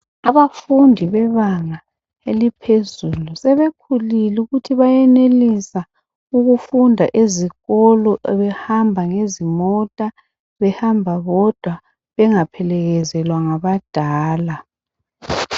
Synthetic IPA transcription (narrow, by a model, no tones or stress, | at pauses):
aβafundʱiβɛβaŋa | elipʰezulusɛβekʰuliluɣutʰiβajɛnelisa | uɣufundʱaʔeziɣɔlɔβɛhambʱaŋezimɔtʼa | βɛhambʱaβɔd̥ʱwa | βɛŋapʰɛlɛɣɛzɛlwaŋaβad̥ʱaːla